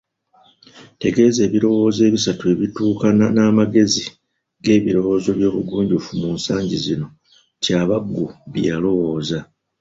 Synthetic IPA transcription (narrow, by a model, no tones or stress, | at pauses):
te̞ɡe̞ːze̞ːβiɾo̞wo̞ːze̞ːβisatue̞βituːkananaːmaɡe̞zi | ɡe̞ːβiɾo̞wo̞ːzo̞βjo̞ːβuɡuːɲɟufumuːnsaːɲɟizino̞ | caːβaɡːuβjalo̞wo̞ːza